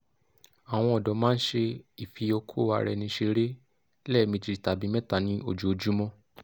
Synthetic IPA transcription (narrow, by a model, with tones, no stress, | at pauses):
a˨w̃ɔ̃˧ɔ˨dɔ˨˦mãː˦n̩˦ʃe˧i˨fi˧o˧kʰo˦˨wa̰˧ɾɛ˧nĩ˧ʃe˧ɾe˦ | lɛ˦˨mĩ˧d͡ʒi˧i˨ta˨bĩ˨˧˦mɛ̃˦ta˦˨nĩ˦o̰˧˨d͡ʒu˦o˧d͡ʒu˦mɔ̃˦